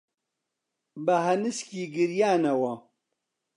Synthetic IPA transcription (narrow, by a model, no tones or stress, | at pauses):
bɐɦɐnɨskiːɡɨɾjaːnɐwɐ